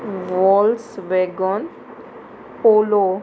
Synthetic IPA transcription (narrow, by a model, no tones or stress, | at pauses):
ʋɔlsʋeɡɔn | polo